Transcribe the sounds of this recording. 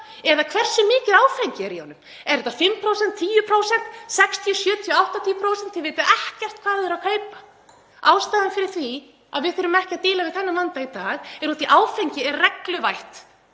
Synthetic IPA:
ɛðakʰvɛr̥sɪmɪːcɪðaːwfɛɲcɪɛɾihɔnːʏm | ɛɾɛt̪ːafɪmːpʰɾowsɛn̥t̪ʰːiːjʏpʰɾoːwsɛn̥t̪sɛkst̪ʰiɔsjœːt̪ʰjɔawht̪at̪ʰiːʏpʰɾoːwsɛnt̪ʰːjɛveːjt̪ʏʔɛhcɛr̥t̪̚kʰvaːðɛɾakʰeːjpḁ | aːwst̪aːðɪnfɪɾɪɾ̥θvi | a̰ðvɪðθʏɾʏmɛhcɪaðt̪ɪːlavɪðθɛnːamant̪ait̪aːɣɛɾut̪iʔaːwfeɲcɪɛɾrɛklʏvajht̪

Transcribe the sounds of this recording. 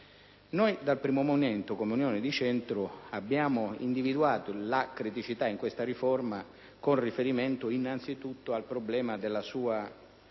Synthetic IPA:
nojd̪alpɾiːmomoment̪ʊkomunjoːnɪd̪it͡ʃɛnt̪ɾʊabːjaːmʊḭnd̪ivid̪uaːt̪olakɾit̪it͡ʃit̪aiŋkwest̪aɾifɔrma | konrifeɾiment̪ʊinːant̪sit̪ut̪ːʊalpɾoblɛːmad̪elːasuːa

